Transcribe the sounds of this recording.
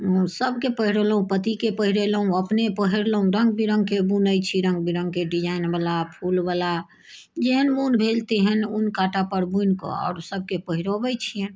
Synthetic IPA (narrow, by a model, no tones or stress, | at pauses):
səbkepəɦiɾeləɦũpət̪ikepəɦiɾelɦũəpnepəɦiɾləɦũɾəŋɡ̚bʱiɾə̃ŋɡ̚kebunəjt͡ʃʰiɾə̃ŋɡ̚bʱiɾə̃ŋɡ̚keɖid͡ʒaɪinbalapʰulbala | d͡ʒeɦənbunbʱelt̪eɦɛnunkaʈapəɾbunko̰ɔ̰ːɾsəb̚ʱkepəɦiɾobɛt͡ʃʰiən